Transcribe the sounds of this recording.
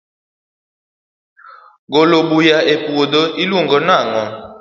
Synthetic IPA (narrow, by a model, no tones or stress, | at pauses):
ɡoloɓujaʔepuoɗɔʔiluŋɡɔnaːŋɔ